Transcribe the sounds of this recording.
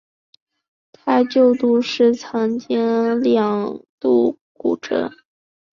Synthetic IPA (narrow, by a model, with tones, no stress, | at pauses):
t̪ʰa˥t͡ɕjo˥˧ʊt̪u˥˧ʂɻ̩˥˩t͡sʰɑ˧˥ŋt͡ɕjɛ˥ŋljɑ˨˩ŋt̪u˥˩kṵ˨˩ʈ͡ʂɤ̰˧˥